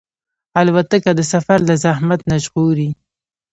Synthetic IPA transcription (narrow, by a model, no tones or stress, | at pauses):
alwat̪akad̪əsafaɾlazahmat̪naʒɣuɾi